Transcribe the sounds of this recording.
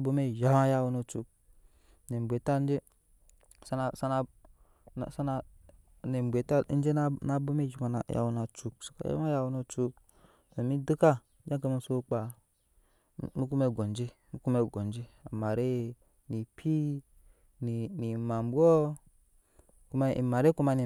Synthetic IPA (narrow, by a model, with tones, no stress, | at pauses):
bo˦me˦˨ʒa˨˦ma˦ja˧wu˧no˨t͡ʃu˨k̚ | ne˨m˨bʷe˨ta˦n˦d͡ʒe˦ | sa˦na˨sa˦na˨ | sa˦na˨ | ne˨m˨be˨ta˦n̩˦d͡ʒe˦n˦na˨bo˦me˦˨ʒi˨ma˨na˨ja̰˨wu˨na˨t͡ʃu˨k̚so̥˨ka̰˨ja̰˦ma˦ja˦wu˧˦no˦t͡ʃu˧k | so˨mi˦du˦ka˦ | d͡ʒa˦ka˧mi˦so˦k͡pa˨˦˨ | mu˦ku˦me˦˨ɡo˨n˦d͡ʒi˦ | mu˦ku˦me˦ɡo˨n˨d͡ʒi˦a̰˨ma˨ɾe˦˨ | ni˨pʰi˦ | ni˨ni˨ma˨m˨bʷɔ˦ | ku˦ma˦ḭ˨ma˨ɾe˦ku˦ma˧ni˨